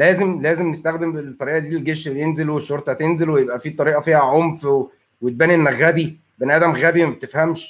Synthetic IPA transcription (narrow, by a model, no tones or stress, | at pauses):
læːzemlæːzemnest̪æxd̪embet̪ˤːɑɾiːʔɑd̪iːlelɡeʃbet̪enzelweʃːoɾt̪ˤɑt̪enzelwejebʔæfiːt̪ˤɑɾiːʔɑfiːhæʕomfwe | wet̪̚bæːnenːæɣːæbi | benʔæːd̪æmɣæːbimæb̚t̪efhæmʃ